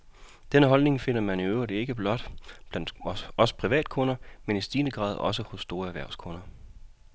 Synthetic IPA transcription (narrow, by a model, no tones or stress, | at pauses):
d̥enəɦɒ̽lne̝ŋfe̝n̰ɐmæniøʊɐdie̝ɡ̥əb̥lɒ̽d̥b̥læn̰d̥ɒ̽sə̥pʰʁiʋɛ̰ːd̥̚kʰɔ̽nɐmenisd̥iːnəɡ̥ʁɑ̰̈ːð̞̰ˠɒ̽səhɔ̽sːd̥o̝ːɐæɐʋæɐ̰skʰɔ̽nɐ